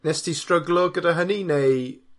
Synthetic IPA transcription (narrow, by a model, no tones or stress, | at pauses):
nɛstʰistrəɡlˠɔɡədaɦəninej